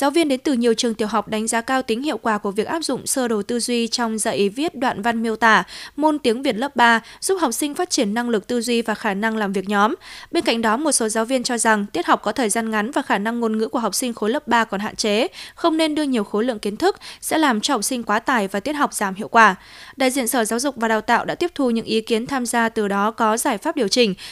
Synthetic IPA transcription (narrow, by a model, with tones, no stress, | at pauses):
zaː˨˦wvi˧ənɗe˨˦nt̪ɨ˨˩ɲi˨˩əwt͡ɕɨ˨˩ət̪i˨˩əwɦa˨˩wk͡p̚ɗa˨˦jŋ̟zaː˨˦kaː˧wt̪ï˨˦ŋ̟hḭ˧˨əwkwaː˧˩ku˧˩əvi˨˩ək̚ʔaː˦˥p̚zʊ̰˧˨ŋ͡msəː˧ɗo˨˩t̪ɨ˧zwi˧t͡ɕɔ˧wŋ͡mzə̰ː˧˨jʔi˨˦vi˦˥t̚ɗwa̰ː˧˨nva˧nm˧əwt̪aː˧˩mo˧nt̪i˨˦əŋvi˨˩ət̚lə˦˥p̚ɓaː˧z̥u˦˥p̚ha˨˩wk͡p̚sï˧ŋ̟faː˦˥t̚t͡ɕi˧˩ənːa˧ŋlɨ˨˩k̚t̪ɨ˧zwi˧vaː˨˩xaː˧˩na˧ŋlaː˨˩mvi˨˩ək̚ɲɔ˨˦mɓe˧nka̰˧˨ŋ̟ɗɔ˨˦mo˨˩t̚so˨˦zaː˨˦wvi˧ənt͡ɕɔ˧za˨˩ŋt̪i˦˥ət̚ha˨˩wk͡p̚kɔ˨˦t̪ʰəː˨˩jzaː˧nŋa˨˦nvaː˨˩xaː˧˩na˧ŋːo˧nŋɨ̰˧˥ku˧˩əɦa˨˩wk͡p̚sï˧ŋ̟xo˨˦ləː˦˥p̚ɓaː˧kɔ˨˩nɦa̰ː˧˨t͡ɕe˨˦xə˧wŋ͡mne˧nɗɨ˧əɲi˨˩əwxo˨˦lɨ̰˧˨əŋki˨˦nt̪ʰɨ˦˥k̚sɛ̰˧˥laː˨˩mt͡ɕɔ˧hɔ˨˩k͡p̚sï˧ŋ̟kwaː˨˦t̪aː˨˩jvaː˨˩t̪i˦˥ət̚ha˨˩wk͡p̚zaː˧˩mhḭ˧˨wkwaː˧˩ɗa̰ː˧˨jzḭ˧˨ənsəː˧˩zaː˨˦wzʊ˨˩k͡p̚vaː˨˩ɗaː˨˩wt̪a̰ː˧˨wʔɗa̰ː˧˥t̪i˦˥əp̚t̪ʰu˧˩ɲɨ̰˧˥ŋʔi˨˦ki˨˦ənt̪ʰaː˧mzaː˧t̪ɨ˨˩ɗɔ˨˦kɔ˨˦zaː˧˩jfaː˦˥p̚ɗi˨˩əwt͡ɕï˨˩ŋ̟